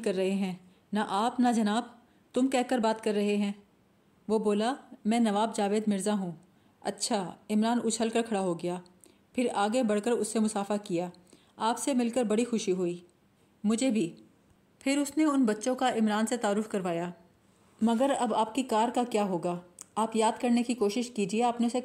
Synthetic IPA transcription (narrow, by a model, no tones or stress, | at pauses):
kɐɾːɐɦeɦɛ̃ː | naʔaːpnad͡ʒɐnaːb̚ | t̪ʊmkɛɦkəɾbaːt̪kɐɾːɐɦeɦɛ̃ː | ʋoːboːlamɛ̃ːnɐʋaːbd͡ʒaːʋeːd̪mɪɾzaɦũː | ɐ̰tːʃʰaɪmɾaːnʊt͡ʃʰəlkəɾkʰɐɽaɦoɡɐjaː | pʰɪɾaːɡebɐɽkəɾʊsːemʊsaːfakijaː | aːpsemɪlkəɾbɐɽixʊʃiɦʊiː | mʊd͡ʒʱebʱiː | pʰɪɾʊsneʊnbɐtːʃõkaʔɪmɾaːnset̪aːɾʊfkɐɾʋaːjaː | mɐɡəɾɐbaːp̚kikaːɾkakjaːɦoːɡaːaːpjaːd̪kɐɾnekikoːʃɪʃkiːd͡ʒieaːpneʊse